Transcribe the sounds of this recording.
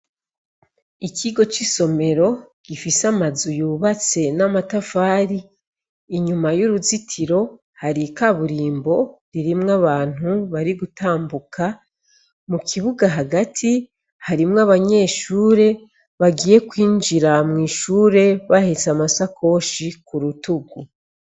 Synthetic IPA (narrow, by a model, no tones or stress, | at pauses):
iciɡo̞t͡ʃiso̞me̞ɾo̞ | ɡ̥ifisamazujuːβat͡se̞namatafaːɾiː | ɲumajuɾuzitʰiɾo̞ | haɾikaβuɾiːmbo̞ɾiɾimŋaβaːn̥huβaɾiɡutʰaːmbukʰa | mukʰiβuɡaɦaɡatʰi | haɾimŋaβaɲe̞ːʃuːɾe̞ | βaɡiːje̞kwiːnd͡ʒiɾamŋiːʃuːɾe̞βahet͡samasakʰo̞ʃikuɾutuɡu